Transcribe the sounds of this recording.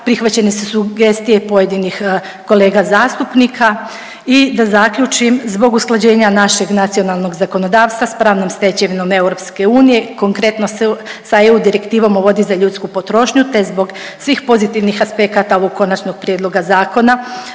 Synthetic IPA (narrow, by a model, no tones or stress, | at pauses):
pɾixʋat͡ɕe̞nesusuɡe̞st̪ije̞po̞je̞d̪inix | ko̞le̞ːɡazaːst̪upnikʰa | id̪azakʎut͡ʃimzbo̞ɡusklˠad͡ʑe̞ːɲanaʃe̞ɡnat̪sio̞nalˠno̞ɡzako̞no̞d̪aːʋst̪ʋaspɾaːʋnomst̪e̞t͡ɕeʋino̞me̞wɾo̞pske̞uːnije̞ko̞ŋkɾe̞t̪no̞ssaeud̪iɾe̞kt̪iːʋo̞moʋo̞d̪izaʎut̪skupot̪ɾo̞ʃɲut̪e̞zbo̞ɡ | sʋiːxpo̞zit̪iʋnixaspe̞kat̪ao̞ʋo̞ɡ̚kːo̞nat͡ʃno̞ɡ̥̚pɾijed̪lˠo̞ɡazaːko̞na